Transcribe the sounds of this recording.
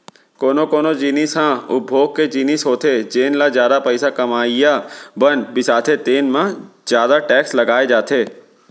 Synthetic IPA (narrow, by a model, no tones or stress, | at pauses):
koːnokoːnod͡ʒiːnisɦãʊbʱoːɡ̚ked͡ʒiːnɪsɦoːt̪ʰed͡ʒeːnlazjaːd̪apəɪsakɐmaːijabənbɪsaːt̪ʰet̪eːnmãzjaːd̪aʈɛːkslɐɡaːed͡ʒaːt̪ʰeː